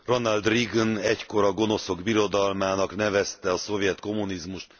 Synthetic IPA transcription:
ro̞nɒld̪riɡnɛcko̞ɾɒɡo̞no̞so̞ɡbiɾo̞d̪ɒlmaːnɒknɛvɛst̪ɛɒso̞vjɛt̪ko̞munizmuʃt̪

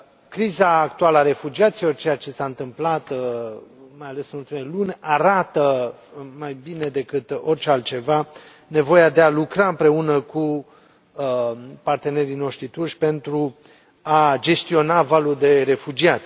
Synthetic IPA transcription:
kɾizaːkt̪ualəaɾe̞fud͡ʒiat̪silo̞rt͡ʃejat͡ʃe̞saɨnt̪ɨmplat̪ | majale̞sɨnult̪imeelunʲaɾat̪ə | majbine̞d̪e̞kɨt̪o̞rt͡ʃealt̪̚t͡ʃe̞va | ne̞vo̞jad̪e̞alukɾaɨmpɾe̞unəku | part̪e̞ne̞ɾino̞ʃt̪ɾit̪uʃʲpe̞nt̪ɾu | ad͡ʒe̞st̪io̞navaluld̪e̞ɾe̞fud͡ʒiat̪sʲ

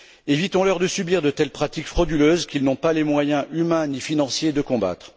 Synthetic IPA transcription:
evit̪ɔ̃lœʁd̪əsybiʁd̪ət̪ɛlpχat̪ikfχɔd̪yløzkʲilnɔ̃palemwajɛ̃ʔymɛ̃nifinɑ̃sjed̪əkɔ̃ba̰t̪χ

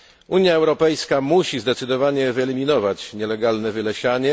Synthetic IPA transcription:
ʔuɲjaɛwɾɔpɛjskamuɕizd̪ɛt̪sɘd̪ɔvaɲɛvɘɛlʲimʲinɔvat͡ɕɲɛlɛɡalnɛvɘlɛɕaɲɛ

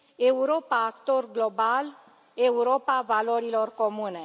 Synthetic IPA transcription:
euɾopaːkt̪orɡlobal | euɾopavaloɾilorkomune

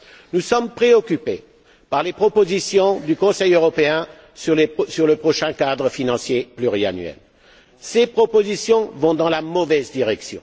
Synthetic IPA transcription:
nusɔmpχeɔkʲype | paʁlepχɔpozisjɔ̃d̪ykɔ̃sɛjøʁɔpeɛ̃ | slsyʁləpχɔʃɛ̃kad̪ʁəfinɑ̃sjeplyʁia̰nɥɛ̰l | sepχɔpozisjɔ̃vɔ̃d̪ɑ̃lamɔvɛzd̪iʁɛksjɔ̰̃

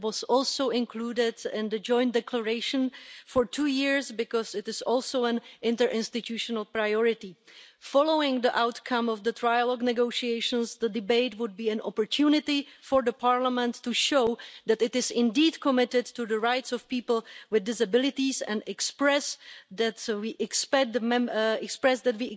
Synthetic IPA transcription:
wɔzɔlsowɪ̃nkluːdɪdɪ̃ndəd͡ʒɔ̃j̃ntdɛkləɹeɪʃə̃nfɔɹtʰuːjɪɹsbɪkɔsɪtɪsɔːlˠsowɛ̃nʔɪ̃ntəɹʔɪ̃nst̪ɪt̪ʰjuʃɔnəlˠpɹajɔɹɪtifɔloʊɪ̃ŋd̪iʔawtkʰãmɔvd̪ət̪ɾɹajalɔɡnɛɡoʃieɪʃə̃nsd̪ədɪbeɪtwʊd̚biːɛ̃nɔ̰pɔɹtʰjuːnɪtɪfoɹdəpʰaːɹlamɛ̃ntːuʃowðɛtɪtɪzɪ̃ndiːdkʰɔmɪtɪdtuðəɹajtsɔfpiːpl̩wɪðdɪsabɪlɪtisɛ̰̃ndɛkspɹɛsd̪ɛtwiːʔɛkspɛk̚d̪əmɛɛkspɹɛsd̪ɛtwi

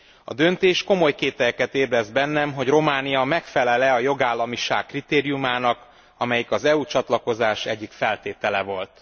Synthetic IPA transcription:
ɒ̰d̪ø̞nt̪eːʃko̞mo̞jkeːt̪ɛjɛkɛt̪eːblɛzbɛnːɛmɦo̞ɟro̞maːnijɒmɛkfɛlɛlɛɒjo̞ɡaːlːɒmiʃaːkːrit̪eːɾijumaːnɒk | ɒmɛjikɒzɛuːt͡ʃɒt̪lɒko̞zaːʃɛɟːikfɛlt̪eːt̪ɛlɛvo̞lt̪

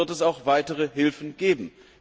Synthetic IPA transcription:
ɐtɛsaʊxv̥aɪtəʁəɦɪlfn̩ɡ̥eːbm̩

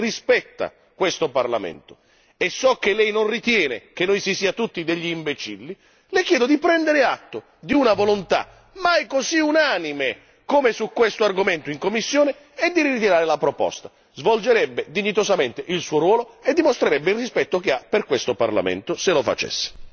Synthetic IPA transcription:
rispɛt̪ːa̰ | kwest̪oparlamɛ̰nt̪ʊ̥ | esːɔk̟ːelːɛjnonrit̪jɛːnek̟enːojsisiːat̪ut̪ːid̪eʎːiːmbet͡ʃḭlːi | lɪkjɛːd̪ʊd̪ipɾɛnd̪eɾɪat̪ːʊ | d̪iunavolont̪a̰ | majkoziunaːnime | komesukːwest̪oarɡoment̪ʊiŋkomːisːjoːnɪ | ɛd̪ːiɾit̪iɾaːɾɪlapɾopɔ̰st̪a | zvold͡ʒeɾɛbːed̪iɲːit̪osament̪ɪʔilsuːoɾwɔːloed̪ːimost̪ɾeɾɛbːɪilrispɛt̪ːokeapːerkwest̪opa̰rla̰mḛnt̪ʊselofa̰t͡ʃɛ̰sːe̥

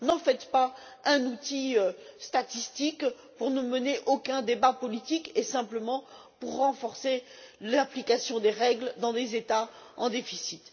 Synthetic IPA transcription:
nɑ̃fɛt̪pa | ɛ̃nut̪iøst̪at̪ist̪ik | puʁnəməneʔokɛ̃d̪ebapɔlit̪ikesɛ̃pləmɑ̃ | puʁːɑ̃fɔʁselaplikasjɔ̃d̪eʁɛɡld̪ɑ̃d̪ezet̪aɑ̰̃d̪efisit̪

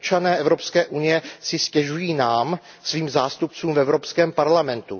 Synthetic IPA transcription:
t͡ʃanɛːʔɛvɾo̞pskɛːʔunɪjɛsɪscɛʒujiːnaːm | sviːmzaːst̪up̚t͡suːmvɛvɾo̞pskɛːmpaɾlamɛnt̪u

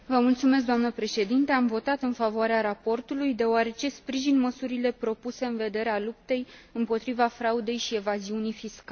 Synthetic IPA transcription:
vəmult̪sumes̬k̚d̪oamnəpɾe̞ʃe̞d̪int̪e̞amvo̞t̪at̪ɨnfavoaɾeaɾapo̞rt̪ulujd̪e̞oaɾe̞t͡ʃe̞spɾiʒinməsuɾile̞pɾo̞puse̞ɨnve̞d̪e̞ɾealup̚t̪e̞jɨmpo̞t̪ɾivafɾaud̪e̞jʃie̞vaziunijfiska

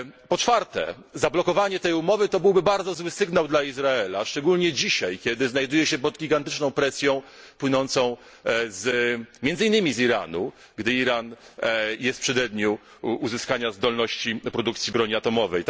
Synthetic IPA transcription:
pɔt͡ʂfaɾt̪ɛ̰ | zablɔkɔvaɲɛt̪ɛjumɔvɘt̪ɔbɘwbɘbaɾd̪zɔzwɘsɘɡnawd̪laizɾaɛlaʂt͡ʂɛɡulɲɛd͡ʑiɕajkʲjɛd̪ɘznajd̪ujɛɕɛpɔd̪ɡʲiɡant̪ɘt͡ʂnɔ̃w̃pɾɛsʲjɔ̃w̃pwɘnɔnt̪sɔ̃w̃ | zmʲjɛnd̪zɘinːɘmʲiziɾa̰nṵ | ɡd̪ɘiɾanjɛst̪pʂɛd̪ɛd̪ɲu | uzɘskaɲazd̪ɔlnɔɕt͡ɕipɾɔd̪ukt̪sʲjibɾɔɲiat̪ɔmɔvɛjt̪

